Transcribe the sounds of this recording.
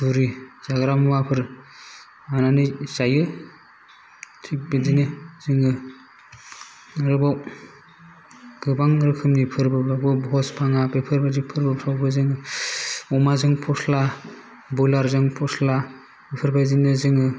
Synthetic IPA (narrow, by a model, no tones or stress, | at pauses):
buɾiz̥aɡɾamuwapʰɯɾ | ananɯzajɯ | tʰik̚bidinɯz̥ɯŋɯ | ɯɾɯbaw | ɡ̥ɯbaŋɾɯkʰɯmnipʰɯɾbɯbɾabɯbɦɔspʰaŋabepʰɯɾbadipʰɯɾbɯɾʰawbɯzɯŋɯ | ɔmazɯŋpʰɔsla | bulaɾzɯŋpʰɔsla | epʰɯɾbajzinɯzɯŋɯ